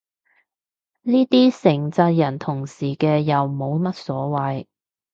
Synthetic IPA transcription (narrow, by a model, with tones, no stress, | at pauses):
niː˥t̪iː˥sɪ˨˩ŋt͡sɐː˧t̚jɐ˨˩nt̪ʰʊ˨˩ŋsiː˨˩kɛː˧jɐ˨wmo˨˧wmɐ˥t̚sɔː˨˥wɐ˨j